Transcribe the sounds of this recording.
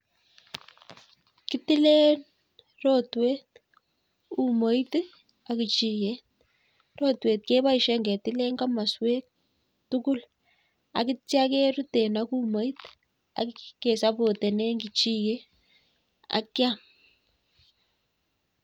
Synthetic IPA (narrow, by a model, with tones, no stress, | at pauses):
ki˦ti˦le˦n | rɔ˦twe˦t | u˨mo˨˦i˦t | a˨ki˨t͡ʃi˨je˦ | ro˦twe˨t̚ke˦βa˦i˨ʃɛ˦ŋɡɛ˨ti˦le˦ŋɡa˦ma˨swe˦k̚ | tu˦ku˦l | a̰˨ki˦tja˦ke˦ɾu˦te˨naku˦mo˨˦i˦t | a̰˨kke˨sa˦bo˨te˨nɛ˦ŋɡi˨t͡ʃi˦je˦ | a̰˨kja˦m